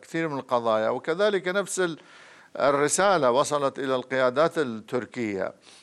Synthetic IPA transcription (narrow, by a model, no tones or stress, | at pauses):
kθiːɾmɪnɪlqɑðˤɑːjawɪkaðaːlɪkanafsɪ | ɪrːɪsaːlawɑsˤɑlɑt̪ʔɪlalqɪjaːd̪aːt̪ɪt̪ːʊɾkɪjːa̰